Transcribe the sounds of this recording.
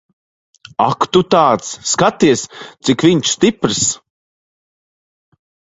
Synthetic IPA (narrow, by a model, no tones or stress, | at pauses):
a̰kt̪ut̪aːt̪sːkat̪iɛst̪sikviɲʃst̪ipɾs